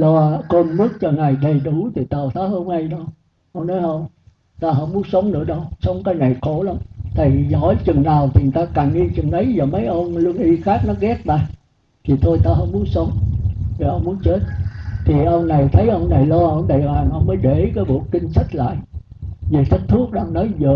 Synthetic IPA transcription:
lɔ˧ko˧nmɨ˦˥k̚t͡ɕɔ˧ŋaː˨˩jɗə˨˩jɗu˨˧˩t̪i˨˩t̪əː˨˩t̪ʰaː˨˦hə˧nna˧jɗə˧w | ʔə˧wŋ͡mnɔ˨˦jʔə˧wŋ͡m | t̪aː˧ɦə˧˦mu˨˦sə˨˦wŋ͡mnɨ̰˧˥əɗə˧wsə˨˦wŋ͡mkaː˧˦jna˨˩jko˧˩lə˧wŋ͡mt̪ʰi˨˩zɔ̰˧˩˦jt͡ɕɨ˨˩ŋnaː˨˩wt̪ʰi˨˩ŋɨ˨˩jt̪aː˧ka˨˩nʔi˧t͡ɕɨ˨˩ŋʔə˨˦jzɔ˨˩mə˨˦jʔə˧nlu˧əŋʔi˧xaː˦˥k̚nɔ˨˦ɣɛ˦˥k̚ɗaː˧˩j | t̪ʰi˨˩t̪ʰo˧jt̪aː˧ɦɔ˧˦nmu˨˦ənsə˨˦wŋ͡mt̪ʰi˨˩ʔə˧wŋ͡mmu˨˦ənt͡ɕe˦˥t̚t̪ʰi˨˩ʔə˧wna˨˩jt̪ʰə˨˦jʔə˧wŋ͡mna˨˩jlɔː˧ʔə˧wŋ͡mɗə˨˩ɓaː˨˩mʔə˧wŋ͡mməː˨˦jɗe˧˩kaː˨˦jɓo̰˧˩˨kï˧ŋ̟sa˦˥k̚la̰ː˧˨j | ve˨˩t̪ʰï˦˥k̚t̪ʰɨ˦˥ək̚ɗa̰ː˧ŋnɔ˨˦jzəː˨˩

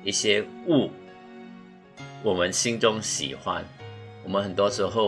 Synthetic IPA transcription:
i˥˩ɕjɛ˦u˥˩ | wɔ˨˩mə˦nɕi˦ŋt͡sʊ˦ŋɕḭ˨˩xwa̰˦nwɔ˨˩mə̃˦nxə˨˩nt̪wɔ˦˥ʂɻ̩˧˥xo˥˩ʊ

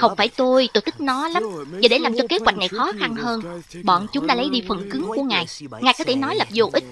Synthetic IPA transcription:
xə˧wŋ͡mfaː˧˩jt̪o˧jt̪o˧˩t̪ɨ˦˥k̚nɔ˨˦la˨˦mvaː˨˩ɗe˧˩laː˨˩mt͡ɕɔ˧ke˨˦˥t̚wa˨˩k̚n˨˩jxɔ˨˦xa˧nhəː˧nɓɔ̰˧˨nt͡ɕʊ˨˦ŋ͡mɗa̰ː˧˥lə˨˦jɗi˧fə˨˩nkɨ˨˦ŋku˧˩əŋaː˨˩jŋaː˨˩jkɔ˨˦t̪ʰe˧˩nɔ˨˦jlə˨˩p̚zo˨˩ʔï˦˥t̟̚

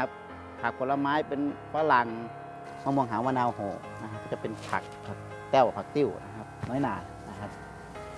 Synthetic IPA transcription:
a˧p̚ | pʰa˨˧˩k̚pʰːo˧˨la˧maː˧˥˨jpe˨nfʰaː˧˥˩la˨˩ŋ | m˧˨mu˧əŋɦaː˨˦wmaː˧˥˨naː˧˨whoː˧˩ | na˧kʰa˧p̚ʰːt͡ɕa˧˩pe˨npʰa̰˨˩k̚pʰa˨˧˩ | t̪ɛ˧˩wpʰa˨˧˩k̚t̪i˧˩wna˧kʰa˧p̚nɔː˧˦˨jnaː˨˩ | na˧kʰa˧˥p̚

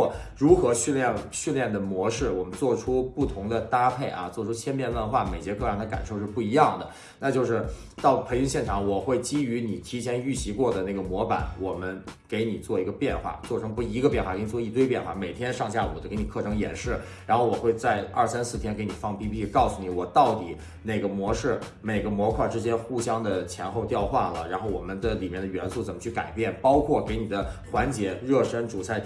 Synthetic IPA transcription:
ɻu˧˥xɤ˧˥ɕy˥˧nljɛ˥˩nɕy˥˧nljɛ˥˩nd̪ə˩mwɔ˧˥ʂɻ̩˥˩wɔ˨˩mə˦nt͡swɔ˥˩ʈ͡ʂʰu˥pu˥˩t̪ʰʊ˧˥ŋd̪ə˧t̪a˥pʰe˥˩ɪʔɐ̰˩t͡swɔ˥˩ʈ͡ʂʰu˥t͡ɕʰjɛ˥npjɛ˥˧nwə˥˧nxwa˥˩me˨˩ɪt͡ɕjɛ˧˥kʰɤ˥˧jɑ˥˧˩ŋd̪ə˩ka̰˨˩nʂo˥˧ʊʂɻ̩˥˧pu˥˩i˧˥jɑ˥˩ŋd̪ə˩ | na˥˧t͡ɕjo˥˧ʊʂɻ̩˥˧˩ | t̪ɑ˥˩ʊpʰə˧˥ŋy˧˥ŋɕjɛ˥˩nʈ͡ʂʰɑ˨˧˥ŋwɔ˨˩xwe˥˩ɪt͡ɕi˥y˧˥ni˨˩t̪ʰi˧˥t͡ɕʰjɛ˥ny˥˩t͡ɕʰi˧˥kwɔ˥˩d̪ə˩na˥˩ɡə˩mwɔ˧˥pa˧˥˦nwɔ˨˩mə˦nke˧˥ɪni˨˩t͡swɔ˥˩i˧˥ɡə˧pjɛ˥˧nxwa̰˥˩t͡swɔ˥˩ʈ͡ʂʰɤ˧˥ŋpu˥˩i˧˥ɡə˧pjɛ˥˧nxa˥˩kni˨˩t͡swɔ˧i˥˩t̪we˥˧ɪpjɛ˥˧nxwa̰˥˩me˨˩ɪt̪ʰjɛ˥nʂɑ˥˧ŋɕja˥˩ɔ̰˨˩d̪ə˥ke˧˥ɪni˨˩kʰɤ˥˩ʈ͡ʂʰɤ˧˥ŋjɛ̰˨˩nʂɻ̩˥˩ | ɻa˧˥nxo˥˩ʊwɔ˨˩xwe˥˧ɪt͡sa˥˧ɪɐ̰˞˥˩sa˥nsɹ̩˥˩t̪ʰjɛ˥nke˧˥ɪni˨˩fɑ˥˧ŋpi˥pʰi˥˧kɑ˥˩ʊsu˧˩ni˧˥wɔ˨˩t̪ɑ˥˩ʊt̪i˨˩˦ | ne˥˩ɡə˩mwɔ˧˥ʂɻ̩˥˩ | me˨˩ɪɡə˦mwɔ˧˥kʰwa˥˩ʈ͡ʂɻ̩˥t͡ɕjɛ˥nxu˥˩ɕjɑ˥ŋd̪ə˨t͡ɕʰjɛ˧˥nxo˥˧ʊt̪jɑ˥˧ʊxwa̰˥˩lə̰˩ɻa˧˥nxo˥˩ʊwɔ˨˩mə˦nd̪ə˧li˨˩mjɛ˥˩nd̪ə˩ɥɛ˧˥nsu˥˩t͡sə˨˩mə˦t͡ɕʰy˥˩ka̰˨˩ɪpjɛ˥˩npɑ˥ʊkʰwɔ˥˩ke˧˥ɪni˨˩d̪ə˦xwa˧˥nt͡ɕjɛ˧˥ɻɤ˥˩ʂə˥nʈ͡ʂu˨˩t͡sʰa˥˩ɪ

